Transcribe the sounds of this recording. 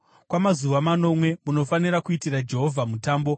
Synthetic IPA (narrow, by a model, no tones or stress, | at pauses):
kwamazuʋamano̞mwe̞muno̞faniɾakuitirad͡ʒe̞ɦo̞vʱamutaːmbo̞